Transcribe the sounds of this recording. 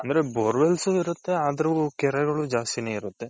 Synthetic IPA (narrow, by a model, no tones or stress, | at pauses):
ɐnd̪ɐɾeboɾʋelsuiɾut̪ːe̞aːd̪ɐɾuukɛɾɛɡɐɭud͡ʒaːst̪ineːiɾut̪ːe̞